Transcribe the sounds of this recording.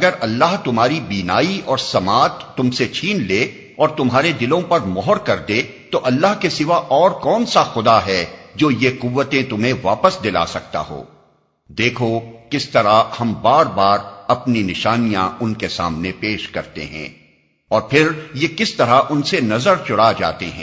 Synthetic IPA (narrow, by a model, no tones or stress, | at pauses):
ɐɡəɾɐlːaɦt̪ʊmɦaːɾibiːnaːiɔːɾsɐmaːt̪ːʊmset͡ʃʰiːnleː | ɔːɾt̪ʊmɦaːɾed̪ɪlõpɐɾmɔːɦəɾkɐɾd̪eː | t̪oʔɐlːaɦkesɪʋaʔɔːɾkɔːnsaxʊd̪aɦɛːd͡ʒoːjeqʊʋːət̪ẽt̪ʊmɦẽʋaːpəsd̪ɪla̰sɐk̚t̪a̰ɦo̰ː | d̪eːkʰokɪst̪ɐɾahɐmbaːɾbaːɾɐpninɪʃaːnijã̰ʔʊnkesa̰ːmnepeːʃkɐɾt̪ḛɦɛ̰̃ː | ɔːɾpʰɪɾjekɪst̪ɐɾaʔʊnsenɐzəɾt͡ʃʊɽad͡ʒa̰ːt̪eɦɛ̃